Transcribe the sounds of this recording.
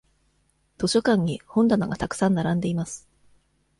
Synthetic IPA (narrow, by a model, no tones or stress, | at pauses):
t̪o̞ɕo̞kãɲ̟ːihõ̞nd̪anoɡat̪akɯ̟̥sãnːaɾãnd̪e̞imasɨ̥